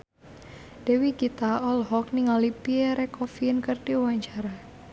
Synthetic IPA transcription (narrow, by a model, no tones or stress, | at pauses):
d̥ɛwiɡit̪aɔlɦɔk̚niŋalipiɛɾekɔfinkərd̥iwaɲt͡ʃaɾa